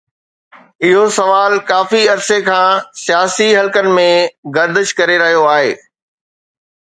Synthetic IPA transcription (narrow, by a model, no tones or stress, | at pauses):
ɪɦosɐʋaːlkaːfiɐɾsekʰãːsijaːsiɦɐlkənɪ̆mẽɡɐɾd̪əʃkɐɾeɾɐɦijoaːɦḛː